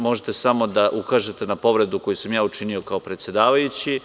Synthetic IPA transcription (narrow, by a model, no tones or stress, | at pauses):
mo̞ʒet̪e̞samo̞d̪aʔukaːʒet̪e̞napo̞ʋɾe̞d̪uko̞jusamjaːut͡ʃinio̞kao̞pɾet̪sje̞d̪aːʋajut͡ɕi